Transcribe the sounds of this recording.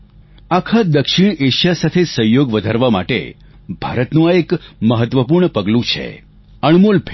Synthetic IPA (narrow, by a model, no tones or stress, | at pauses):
akʰad̪əkʃiɳeʃasat̪ʰesəjoɡʋəd̪ʱaɾʋama̰ʈḛ | b̥ʱaɾət̪nũaekməɦət̪ʋəpuɾɳəpəɡlũt͡ʃʰḛ | əɳmolpʰ